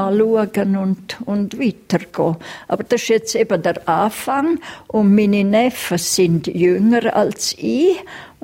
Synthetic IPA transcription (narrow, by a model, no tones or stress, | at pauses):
aluəɡənʊntʊntviːtərɡ̥oːʔa̰ːbəɾd̥ɛʃɛt͡seːbədɛraːfaŋʔʊnmininɛfəsɪntjøŋəɾa̰lsi